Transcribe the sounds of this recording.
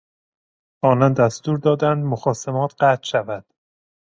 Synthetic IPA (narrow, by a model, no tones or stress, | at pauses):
ɒːnɒnd̪æst̪uːɾd̪ɒːd̪ænd̪moxɒːsemɒːt̪ʰɢæt̪ʃævæd̪̥